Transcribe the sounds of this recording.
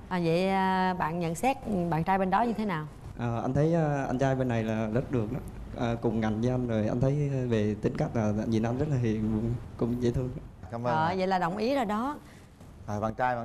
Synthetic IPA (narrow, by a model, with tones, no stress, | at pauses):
ʔəː˨˩və̰˧˨jəː˨˧˩ɓa̰ː˧˨nɲə̰˧˨nsɛ˦˥t̚ɓaː˧˨˩nt͡ɕaː˧jɓe˧nɗɔ˨˦ɲɨ˧t̪ʰe˨˦naː˨˩w | ʔəː˨˩ʔa˧n̟t̪ʰə˨˦jʔəː˧ʔa̰˧jnt͡ɕaː˧jɓe˧nːa˨˩jlaː˨˩zə˦˥t̚ɗɨ˨˩ək̚ɗɔ˨˦ | ʔəː˨˩kʊ˨˩ŋ͡mŋa˨˩jŋ̟və˨˦ʔa˧jnzo˨˩jʔa˧jnt̪ʰə˨˦jve˨˩t̪ï˨˦ŋ̟ka˦˥jk̟̚laː˨˩˧zi˨˩˦nʔa˧nzə˦˥laː˨hi˨˩ənvʊ˨˧˩ŋ͡mkʊ̰˧˥ŋ͡mzḭ˧˩t̪ʰɨ˧əŋ˦kaː˨˦məː˧əː˨˩və̰˧˨jlaː˨˩ɗə˨˩wŋ͡mʔi˨˦əzo˨˩jɗɔ˨˦ | ʔaː˨˩va̰ː˧˩nt͡ɕaː˧ja̰˧˨